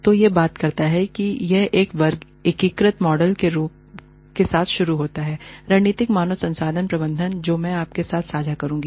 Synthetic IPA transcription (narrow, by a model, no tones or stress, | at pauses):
t̪ojebaːt̪kɐɾt̪aɦɛkijɛɦeːkʋɐɾɡ | ɪkiːkɾət̪mɔːɖəlkeɾuːp̚ | kesaːt̪ʰʃʊɾuɦoːt̪aɦɛːɾaːɦniːt̪ɪkmaːnosɐ̃nsaːd̪ʱənpɾɐbə̃nd̪ʱənd͡ʒoːmɛ̃aːp̚kesaːt̪ʰsaːd͡ʒʱakɐɾũːŋɡiː